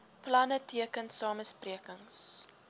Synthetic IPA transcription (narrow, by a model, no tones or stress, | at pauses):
plɐnətʰiəkənsɑːməspriəkəŋs